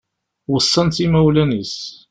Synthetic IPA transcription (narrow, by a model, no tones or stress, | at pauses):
wəsˤːənt̪imæwlænis